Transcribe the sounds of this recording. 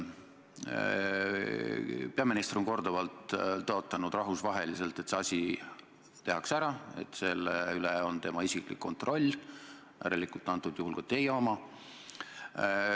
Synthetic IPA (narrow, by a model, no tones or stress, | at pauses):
peɑminist̪roŋko̞rd̪ovɑlt̪ːoo̞t̪ːˑɑnud̪̥rɑɦvusvɑɦe̞lise̞lt̪ːˑe̞t̪seɑsʲi | t̪e̞ɦɑksæɾɑe̞̰t̪ːˑse̞lːeyleo̞nt̪e̞mɑisiklḭkːo̞nt̪ro̞lʲː | æ̰ɾelikult̪ːˑɑnt̪ːˑud̪juhulkot̪ːejɑomɑ